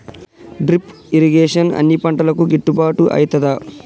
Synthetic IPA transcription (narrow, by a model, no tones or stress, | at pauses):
ɖɾip | iɾiɡeːʂɐnɐ̰nːipɐɳʈɐlɐkuɡeʈːupaːʈuʔɐ̰jt̪ɐd̪ɐ